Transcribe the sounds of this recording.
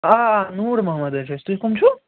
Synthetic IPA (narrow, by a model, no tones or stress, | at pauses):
aːnuːɾmɐɦməd̪ɐnt͡ʃʰɐst̪ukumt͡ʃʰu